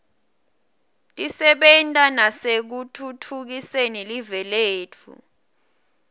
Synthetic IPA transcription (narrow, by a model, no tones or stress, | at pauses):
tʼisɛɓɛntʼanasek̬utʰutʰuk̬isɛnelivɛleːtʰṵ